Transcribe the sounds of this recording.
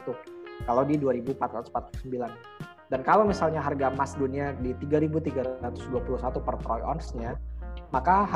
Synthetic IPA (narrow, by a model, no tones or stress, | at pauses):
t̪ukalawdiduaɾibupat̪ɾat̪uspat̪̚səmbilan | dankalawmisalɲaɦarɡamasduniadit̪iɡaɾibut̪iɡaɾat̪ʊ̥sduapuluhsat̪upərpɾɔjɔ̰nsɲamakah